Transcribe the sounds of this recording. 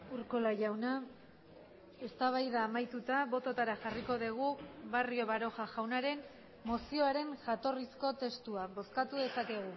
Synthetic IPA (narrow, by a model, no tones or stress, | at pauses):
uɾko̞laʝawna | e̞st̪aβ̞ajðaːmajt̪ut̪aβo̞t̪o̞t̪aɾaxariko̞ðiɣ̞uβario̞βaɾo̞xaʝawnaɾe̞n | mo̞sio̞aɾe̞nʝat̪o̞risko̞t̪e̞st̪uaβo̞skat̪uðe̞sake̞ɣ̞u